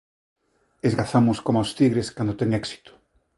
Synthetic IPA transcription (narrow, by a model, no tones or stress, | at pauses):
ezɣaθamʊskomawst̪iɣɾeskand̪ot̪ɛŋɛksi̥t̪ʊ̥